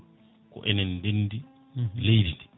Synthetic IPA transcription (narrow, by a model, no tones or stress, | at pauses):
kɔ̰ʔɛnɛndendi | lejditi̥